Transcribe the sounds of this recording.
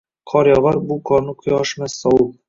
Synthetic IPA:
qʰɒɾjɑʁɑɾbuqɒnɤqʰʊjɑʃmæsɒwɤl

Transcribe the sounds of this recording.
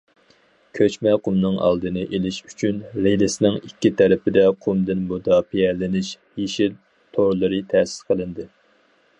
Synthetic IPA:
kʲʰøt͡ʃmɛqumnɨŋɑ̰lˠd̪ɨnɨʔelɪʃy̥t͡ʃʰynɾelɪsɪnɪŋikʲːit̪ʰɛɾɪpɪd̪ɛqʰumd̪ɨnbod̪ɑpʰiɛlːɪnɪʃ | jeʃil | t̪ʰoɾlˠɨɾɨt̪ʰɛsɪ̥lqʰəlˠɨnd̪ɨ

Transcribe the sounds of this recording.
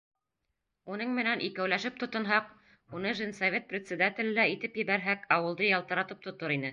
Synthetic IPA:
unɤɴmɘ̆nænʔikæwlæʃɘp̚t̪ŏt̪ɤ̆nɦɑq | unɤʒɘnsɐvʲet̪̚prʲɪt̪ʲsʲɪ̆d̪at̪ʲɪ̆lɘlæit̪ɘpjɘ̆βæɾɦækɑwɤ̆lˠd̪ɤjɑlˠt̪ɤ̆ɾɑt̪ɤp̚t̪ŏt̪oɾinɘ

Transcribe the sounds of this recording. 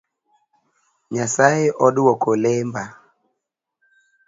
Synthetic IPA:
ɲasaeʔɔdwɔkolemba

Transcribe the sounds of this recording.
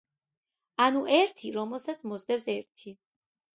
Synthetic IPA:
anuʔɛɾt̪ʰiɾɔmɛlˠsat̪sʰmɔzd̪ɛbsɛɾt̪ʰi

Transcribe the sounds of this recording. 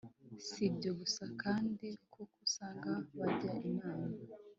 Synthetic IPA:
sibɟo̞ɡusakaːndikʰokusaːŋɡaβaɟaʔimaːna

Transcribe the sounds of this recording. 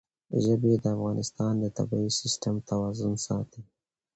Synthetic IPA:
ʒəbed̪əafɣɑnɪst̪ɑnd̪ət̪a̰bɑisɪsʈəmt̪awɑzʊnsɑt̪i

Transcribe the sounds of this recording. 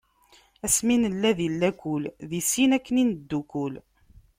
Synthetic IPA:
æsminəlːæðilːækulðisinækːəninəd̪ːukʊl

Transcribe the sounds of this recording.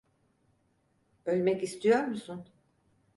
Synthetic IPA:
ø̞lʲmɛcist̪ʰijo̞ɾmusun

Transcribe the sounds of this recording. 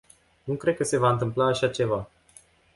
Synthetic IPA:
nukɾe̞d̪̚kəse̞vaɨnt̪ɨmplaːʃat͡ʃe̞va

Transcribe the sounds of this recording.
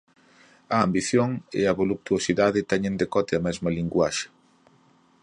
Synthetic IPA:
ɐambiθjoŋɪ̰ɐβoluk̚t̪uosiðaðɪt̪ɛɲẽnd̪ekɔt̪ɪɐmɛzmɐliŋɡwaʃɪ̥

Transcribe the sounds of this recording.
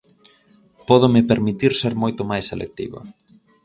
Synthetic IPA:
pɔðʊmɪpeɾmit̪iɾseɾmojt̪ʊmajselʔḛk̚t̪iβɐ̰

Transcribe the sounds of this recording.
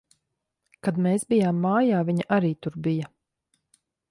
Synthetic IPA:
kad̪meːsbijaːmːaːjaːviɲaʔaɾiːt̪uɾbijɐ

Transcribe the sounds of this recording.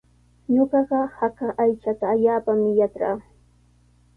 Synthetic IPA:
ɲoɢɑɢɑhakaʔajt͡ʃat̪aːʎaːpamɪjat͡ʃɾa̰ː

